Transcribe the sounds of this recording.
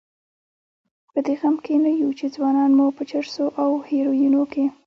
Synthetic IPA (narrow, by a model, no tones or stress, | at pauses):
pəd̪eɣamkenajut͡ʃed͡zwɑnɑnmupət͡ʃaɾsoʔawheɾojinoke